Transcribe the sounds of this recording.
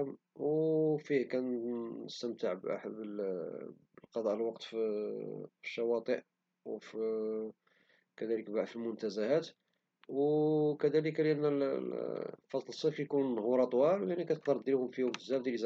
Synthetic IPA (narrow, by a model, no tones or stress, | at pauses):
m | wfihkænəst̪əmt̪əʕbʔa̰ħbəl | bəlqɑd̪ˤɑʔlwɑqt̪f | fi̥ʃːɑwɑt̪ˤəʔ | wfi | kæd̪æləkbaʕd̪filmʊnt̪æzæhæt̪ | wkæd̪æləklʔənːəl | fɑsˤləsˤefjkunːhuɾˤɑt̪ˤwɑljaʕnikæt̪əq̚d̪əɾˤd̪ilhʊmfiʊmt̪əzæfd̪əliz